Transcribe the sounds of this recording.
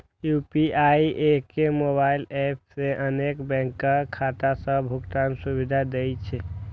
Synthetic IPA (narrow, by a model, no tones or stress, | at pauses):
jupiaiʔekːemoβailep̚ʰseʔənekbɛ̃ŋkːəkʰːat̪asə̃bʱukt̪ansubid̪ʱad̪ejt͡ʃʰɛ